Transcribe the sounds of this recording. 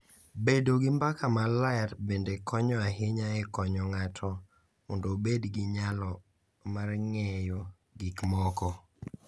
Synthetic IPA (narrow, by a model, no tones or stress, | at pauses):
bedoɡɪmbakamalaɛtbendekʰɔɲɔaɦɪɲaɛkɔɲɔŋatʰɔ | mondobedɡɪɲalɔ | marŋɛjo | ɡikmɔkɔ